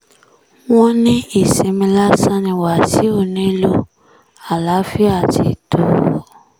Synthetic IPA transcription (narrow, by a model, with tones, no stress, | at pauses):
wɔ̃˦nĩ˦i˨se˨˦mĩ˧la˦sã˦nĩ˨wa˨si˦o˦˨nĩ˦lo˦ | a˨la˨˦fi˦a˨tḭ˨to˨